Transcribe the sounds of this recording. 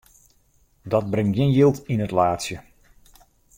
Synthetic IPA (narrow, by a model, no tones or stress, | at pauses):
dɔt̚brɪŋtɡjɪnjilˠtinətlaːtsjə